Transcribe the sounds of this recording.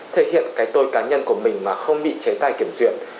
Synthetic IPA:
t̪ʰe˧˩hḭ˧˨ənkaː˨˦jt̪o˧jkaː˨˦ɲə˧nku˧˩əmï˨˩ŋ̟maː˨˩xə˧wŋ͡mɓḭ˧˨t͡ɕe˨˦t̪aː˧˩jki˧˩əmzwḭ˧˩˨ən

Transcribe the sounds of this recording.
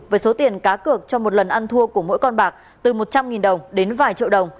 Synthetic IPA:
vəː˨˦jso˨˦t̪i˨˩ənkaː˨˦kɨ˨˩ək̚t͡ɕɔ˧mo˨˩t̚lə˨˩nʔa˧nt̪ʰu˧əku˧˩əmo̰˧˥jkɔ˧nɓaː˨˩k̚ | t̪ɨ˨˩mo˨˩t̚t͡ɕa˧mŋi˨˩nɗə˨˩wŋ͡mɗe˨˦nvaː˨˩jt͡ɕḭ˧˨əwɗə˨˩wŋ͡m

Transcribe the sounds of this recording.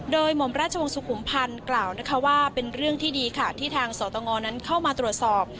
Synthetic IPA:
doː˧jmo˨˩˦mɾaː˥˩t̪̚t͡ɕʰa˧wo˧ŋsu˨˩kʰu˩˦mpʰa˧nklaː˨˩wna˦˥kʰa˦˥waː˥˩pe˧nɾɯ˥˩əŋt̪ʰiː˥˩diː˧kʰa˦˥˩t̪ʰiː˥˩t̪ʰaː˧ŋsɔː˩˦t̪ɔː˧ŋɔː˧na˦˥nkʰa˥˩wmaː˧t̪ɾu˨˩ət̪̚sɔː˨˩p̚

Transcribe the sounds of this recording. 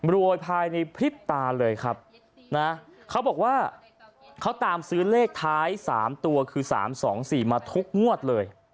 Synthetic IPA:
ɾu˧əjpʰaː˧jna˧jpʰɾi˦˥p̚t̪aː˧lɤː˧jkʰa˦˥p̚ | na˦˥kʰa˦˥wbɔː˨˩k̚waː˥˩ | kʰa˦˥wt̪aː˧msɯː˦˥leː˥˩k̚t̪ʰaː˦˥jsa̰ː˩˦mt̪u˧ɐkʰɯː˧sa̰ː˩˦msɔː˩˦ŋsiː˨˩maː˧t̪ʰu˦˥k̚ŋu˥˩ət̪̚lɤː˧j

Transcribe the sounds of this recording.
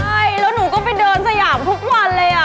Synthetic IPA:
a˥˩jlɛː˦˥wnuː˨˩˦kɔː˥˩pa˧jdɤː˧nsa˧jaː˩˦mt̪ʰu˦˥k̚wa˧nlɤː˧jʔa˨˩

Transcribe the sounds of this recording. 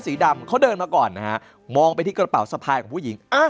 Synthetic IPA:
siː˩˦da˧mkʰa˦˥wdɤː˧nmaː˧kɔː˨˩nːa˦˥ka˦˥ʔ | mɔː˧ŋpa˧jt̪ʰiː˥˩kɾa˧pa˩˦wsa˧pʰaː˧jkʰɔː˩˦pʰu˥˩ji˩˦ŋʔa˧˩

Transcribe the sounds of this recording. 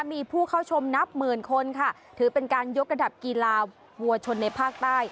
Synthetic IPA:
a˥miː˧pʰuː˥˩kʰa˥˩wt͡ɕʰo˧mna˦˥p̚mɯː˨˩nkʰo˧nkʰa˥˩ | t̪ʰɯː˩˦pe˧nkaː˧njo˦˥k̚ɾa˧da˨˩p̚ki˧laː˧ | wu˨˧ɐt͡ɕʰo˧nːa˧jpʰaː˥˩k̚t̪aː˥˩j

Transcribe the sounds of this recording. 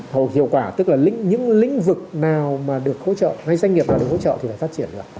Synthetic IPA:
ho˨˩hḭ˧˨əwkwaː˧˩t̪ɨ˦˥k̚laː˨˩lḭ̈˧˥ŋ̟ɲɨ̰˧˥ŋlï˧˥ŋ̟vɨ˨˩k̚naː˨˩wmaː˨˩ɗɨ˨˩ək̚ho̰˧˥t͡ɕə̰ː˧˨ŋa˧jza˧ŋi˨˩p̚naː˨˩ɗkʰo̰˧˦t͡ɕə̰˧˨t̪ʰi˨˩laː˧˨˩faː˦˥t̚t͡ɕi˧˩ənɗɨ˨˩ək

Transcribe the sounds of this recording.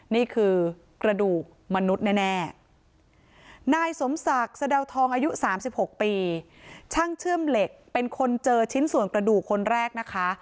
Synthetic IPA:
niː˥˩kʰɯː˧ | kɾa˧duː˨˩k̚ma˧nu˦˥t̪̚nɛː˥˩nɛː˥˩ | naː˧jso˨˩˦msa˨˩k̚sa˧dɛ˧wt̪ʰɔː˧ŋʔaː˧ju˦˥saː˩˦msi˨˩p̚ho˨˩k̚piː˧ | t͡ɕʰa˥˩ŋt͡ɕʰɯ˥˩əmle˨˩k̚pe˧nkʰo˧nt͡ɕɤː˧t͡ɕʰi˦˥nsu˨˩ənkɾa˧duː˨˩kʰːo˧nɾɛː˥˩k̚na˦˥kʰa˦˥

